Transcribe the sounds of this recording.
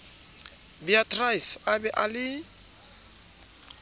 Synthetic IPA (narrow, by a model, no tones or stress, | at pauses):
biatʰrajsabɛʔalɪ